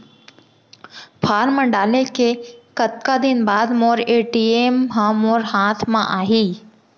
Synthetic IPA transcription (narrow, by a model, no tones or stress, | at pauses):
pʰaːɾmə̃ɳɖaːlekʰekət̪kad̪ɪnbaːd̪moːɾeːʈiːeːmɦãmoːɾhaːt̪ʰmãʔaːɦiː